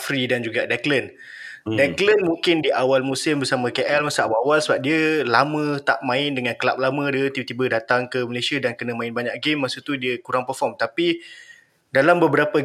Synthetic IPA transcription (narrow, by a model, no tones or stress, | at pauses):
fɾidand͡ʒuɡadɛklən | dɛklənmuŋkɪndiʔawalmusɪmbərsamə̃keʔɛlmasuawawalsəbap̚diəlamə̃t̪a̰ʔmãɪndəŋãnkəla̰p̚lamə̃diət̪ibt̪ibədat̪aŋkəməlesiədankənə̃mãɪnbaɲaʔɡemːasut̪udiəkuɾaŋpərfɔmt̪api | dalambəbəɾapə